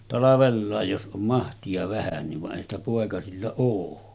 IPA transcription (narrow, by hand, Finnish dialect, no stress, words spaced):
tɑlɑʋelːɑˑej jos ʔom mɑhtiɑ ʋæhænːiʋ ʋɑʔ ʔeˑihæn stæ poˑekɑsilːɑ oː